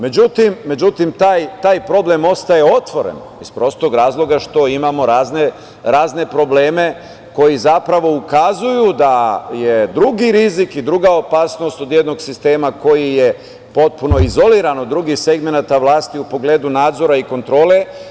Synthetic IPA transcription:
me̞d͡ʑut̪imːe̞d͡ʑut̪imt̪aːjt̪aːjpɾo̞ble̞mo̞st̪aje̞o̞t̪ʋo̞ɾḛn | ispɾo̞ːst̪o̞ɡɾaːzlˠo̞ɡaʃt̪o̞imamo̞ɾaːzne | ɾaːzne̞pɾo̞bleːme̞ | ko̞jizapɾaʋo̞ukazujud̪aje̞d̪ɾuɡiɾizikid̪ɾuɡao̞paːsno̞st̪o̞d̪jed̪no̞ɡsist̪e̞ːmako̞jije̞ | po̞t̪̚puno̞izo̞liːɾanod̪ɾuɡixse̞ɡme̞nat̪aʋlˠaːst̪iupo̞ɡleːd̪unaːd̪zo̞ɾaiko̞nt̪ɾo̞ːle̞

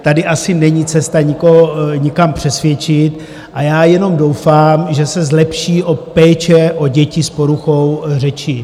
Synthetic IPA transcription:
t̪adɪʔasɪnɛɲit͡sɛst̪aɲɪkoɦoɲɪkampr̝̥ɛsvjɛt͡ʃɪt̪ | ʔajaːjɛno̞mdo̞wfaːmʒɛsɛzlɛpʃiːʔopɛːt͡ʃɛʔoɟɛcɪspoɾuxowrɛt͡ʃɪ

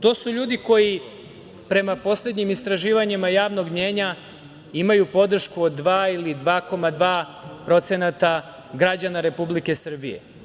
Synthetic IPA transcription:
t̪o̞ːsuʎuːd̪iko̞ji | pɾe̞mapo̞sle̞d̪ɲimist̪ɾaʒiːʋaɲimajaːʋno̞ɡmɲe̞ːɲa | imajupo̞d̪r̩ʃkuod̪ːʋaːilid̪ʋaːko̞mad̪ʋaː | pɾo̞t̪se̞nat̪a | ɡɾad͡ʑanaɾe̞publike̞sr̩bḭje̞̰

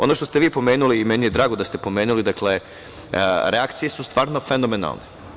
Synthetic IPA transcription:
o̞̰no̞ʃt̪o̞st̪eʋiːpo̞meːnuliːmɛnije̞d̪ɾaːɡod̪ast̪e̞po̞me̞ːnulid̪akle̞ | ɾeakt̪sije̞sust̪vʋaːɾno̞fenomena̰lˠne

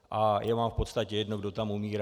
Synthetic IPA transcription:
ʔajʔamaːmfpo̞t̪st̪acɛjɛdnoɡdo̞t̪amumiːɾa

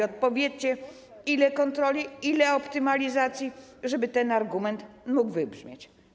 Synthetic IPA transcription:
ɔt̪̚pɔvʲjet͡ɕɛ | ilɛkɔnt̪ɾɔlʲiilɛɔpt̪ɘmalʲizat̪sʲjiʐɛbɘt̪ɛnaɾɡumɛnt̪muɡvɘbʐmʲjet͡ɕ

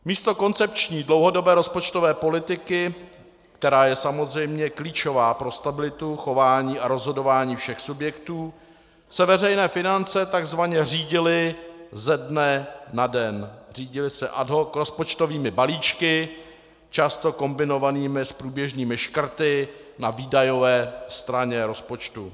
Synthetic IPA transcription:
miːst̪o̞ko̞nt͡sɛp̚t͡ʃɲiːdlowɦo̞do̞bɛːɾo̞spo̞t͡ʃt̪ovɛːpo̞lɪt̪ɪkɪ | kt̪ɛɾaːjɛsamo̞zr̝ɛjmɲɛkliːt͡ʃo̞vaːpɾo̞st̪abɪlɪt̪uxo̞vaːɲiːaɾo̞zɦo̞do̞vaːɲiːfʃɛxsubjɛkt̪uː | sɛvɛrɛjnɛːfɪnant͡sɛt̪aɡzvaɲɛr̝iːɟɪlɪzɛdnɛnadɛnr̝iːɟɪlɪsɛʔadɦokɾo̞spo̞t͡ʃt̪o̞viːmɪbaliːt͡ʃkɪ | t͡ʃast̪okombɪno̞vaniːmɪspɾuːbjɛʒɲiːmɪʃkr̩t̪ɪnaviːdajo̞vɛːst̪ɾaɲɛɾo̞spo̞t͡ʃt̪u

